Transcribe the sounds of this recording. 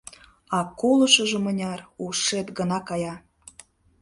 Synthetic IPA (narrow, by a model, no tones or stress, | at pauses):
ɑkolɤ̆ʃə̆ʒə̆mə̆nʲɑruʃet̪ɡə̆nɑkɑjɑ